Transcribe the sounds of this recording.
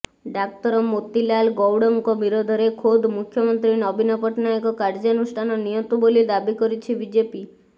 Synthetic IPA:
ɖak̚t̪ɔɾɔmot̪ilalɡɔwɽɔŋkɔbiɾod̪ʱɔɾekʰod̪ʱmukʰːjɔmɔnt̪ɾinɔbʱinɔpɔʈnajɔkɔkaɾd͡ʒɔnusʈʰanɔnijot̪ubolid̪abikɔɾit͡ʃʰibid͡ʒepi

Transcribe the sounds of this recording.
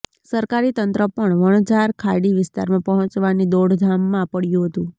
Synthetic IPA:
səɾkaɾit̪ənt̪ɾəpəɳʋəɳ̃əd͡ʒaɾkʰaɽiʋɪst̪aɾmãpɔɦə̃t͡ʃʋanid̪oɽd̪ʱamːãpəɽjũɦət̪ũ

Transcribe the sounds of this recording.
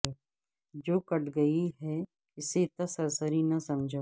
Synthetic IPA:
d͡ʒoːkɐʈɡɐiɦɛ | ɪset̪ɐsɐɾsəɾinɐsɐmd͡ʒʱa

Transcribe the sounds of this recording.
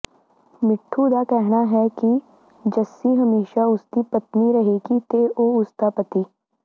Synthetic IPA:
mɪʈʰːud̪akɛɦnaɦɛki | d͡ʒɐsiɦɐmeːʃaʊst̪ipɐt̪niɾɐɦeːɡit̪eʔoːʊst̪apɐt̪iː

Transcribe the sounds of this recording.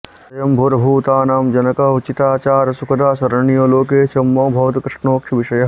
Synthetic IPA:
ɐjɐmbʱoːɾɐbʱuːt̪aːnaːmd͡ʒɐnɐkɐut͡ʃit̪aːt͡ʃaːɾɐsukɐd̪aːsɐɾɐɳijoːloːk̬eːt͡ʃɐmːoːbʱɐːt̪kɾɪʂɳoːkʃʰɐʋiʃɐjɐɦ

